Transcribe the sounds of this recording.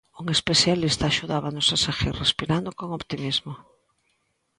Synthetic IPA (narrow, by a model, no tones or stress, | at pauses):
uŋespeθjalist̪aːʃuðaβanoʊsasaɣḭrrespiɾand̪okoŋopt̪imizmo